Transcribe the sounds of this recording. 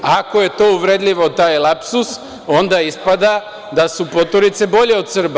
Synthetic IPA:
ako̞je̞t̪o̞uʋɾed̪ʎʲiʋo̞t̪aːjlˠapsus | o̞nd̪aispad̪a | d̪asupo̞t̪oɾit̪se̞bo̞ʎe̞o̞d̪sr̩ba

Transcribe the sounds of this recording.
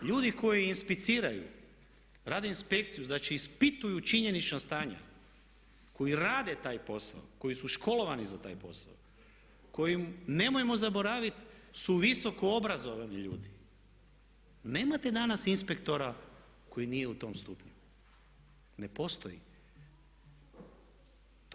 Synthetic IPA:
ʎuːd̪iko̞jiːnspit̪siːɾajṵ | ɾaːd̪einspe̞kt̪sijuznat͡ʃiːspit̪ujut͡ʃiɲe̞nit͡ʃnast̪aːɲa̰ | ko̞jiɾaːd̪et̪aːjpo̞sa̰oko̞jisuʃkʰo̞lo̞ʋanizat̪a̰ːjpo̞̰sa̰o | ko̞jimne̞mojemo̞zabo̞ɾaːʋit̪suʋiso̞koo̞bɾazo̞ʋaniʎṵːd̪i | ne̞ːmat̪e̞d̪anasinspe̞kt̪o̞ɾa | ko̞jinije̞ut̪o̞mst̪uːpɲu | ne̞po̞st̪o̰jḭ

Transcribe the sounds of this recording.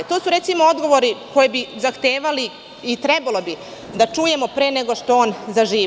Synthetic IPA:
t̪o̞ːsuɾe̞t̪simoo̞d̪ɡo̞ʋo̞ɾiko̞jebizaxt̪eːʋali | it̪ɾebalo̞bi | d̪at͡ʂuːje̞mo̞pɾe̞ːneɡo̞ʂt̪o̞oːnzaʒiː

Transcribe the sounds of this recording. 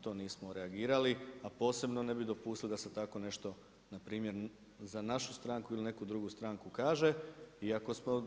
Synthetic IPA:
t̪o̞niːsmoɾeaɡiːɾaliapo̞ːse̞bnone̞bid̪o̞puːst̪ilid̪ase̞t̪ako̞ne̞ʃt̪o̞ | napɾiːmje̞ɾ | zanaʃust̪ɾaːŋkuiline̞kud̪ɾuɡust̪ɾaŋkukaːʒe̞iako̞smo̞

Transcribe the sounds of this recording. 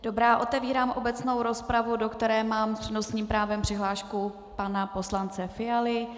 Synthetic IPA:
d̥o̞bɾaːʔo̞t̪ɛviːɾaːmʔo̞bɛt͡sno̞wɾo̞spɾavudo̞kt̪ɛɾɛːmaːmr̥ɛnosɲiːmpɾaːvɛmpr̝̥ɪɦlaːʃku | panapo̞slant͡sɛfɪjalɪ

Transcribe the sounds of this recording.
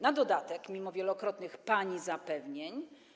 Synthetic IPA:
nad̪ɔd̪at̪ɛkmʲimɔvʲjɛlɔkɾɔt̪nɘxpaɲizapɛvɲeɲ

